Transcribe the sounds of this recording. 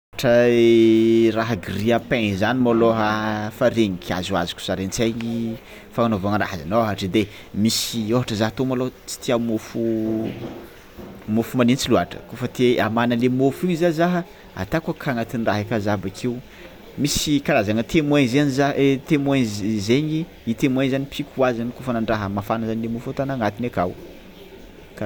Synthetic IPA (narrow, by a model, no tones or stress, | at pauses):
aʈ͡ʂəeraɦəɡiriəpẽnzanimaloɦafaɾeɲikʰʲia̰zua̰zu̥kʲu̥saɾent͡sajɲi | faŋanovaŋra̰ɦazanoɦaʈ͡ʂid̪e | misioɦaʈ͡ʂəzaɦt̪omalot͡si̥t̪iamofu | mofumanint͡siluaʈ͡ʂə̰kofət̪eamanəlemofiɲizazaɦə | a̰t̪akakʰaŋat̪inraɦakazabakʰew | misikalazanət̪ʰemweɲzenizat̪emwenzzeɲi | it̪emweɲzanipʰikuazanikofanaɳɖ͡ʐaɦəmafanəzanilemofat̪anaŋat̪inekaw | ka